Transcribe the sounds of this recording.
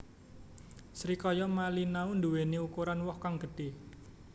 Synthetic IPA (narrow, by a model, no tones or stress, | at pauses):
sɾikɔjɔmalinaund̪uweniukuɾanwɔhkaŋɡ̥ə̤ɖ̥e̤